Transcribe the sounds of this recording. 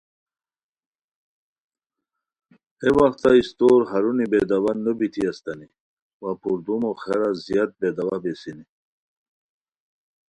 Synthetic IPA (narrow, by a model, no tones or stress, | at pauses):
hewaxt̪aist̪oːɾɦaɾunibed̪awannubit̪iast̪ani | wapuɾd̪umoxeɾazjat̪̚bed̪awabesini